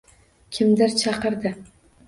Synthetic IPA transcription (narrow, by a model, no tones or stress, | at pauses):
kʲʰɪmd̪ɪɾt͡ʃʰɑqɨɾd̪ɪ